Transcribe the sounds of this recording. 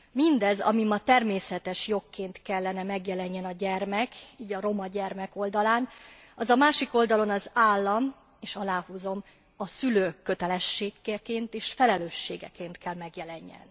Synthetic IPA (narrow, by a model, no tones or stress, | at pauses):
mind̪ɛzɒ̰mimɒt̪ɛrmeːsɛt̪ɛʃjo̞kːeːnt̪kɛlːɛnɛmɛɡjɛlɛɲːɛnɒɟɛrmɛkiːɟɒɾo̞mɒɟɛrmɛko̞ld̪ɒlaːn | ɒzɒmaːʃiko̞ld̪ɒlo̞nɒzaːlːɒm | eːʃɒlaːhuːzo̞m | ɒsyløːkːø̞t̪ɛlɛʃːeːkːɛkeːnt̪eːʃfɛlɛløːʃːeːɡɛ̰keːnt̪kʰɛlmɛɡjɛlɛɲːɛ̰n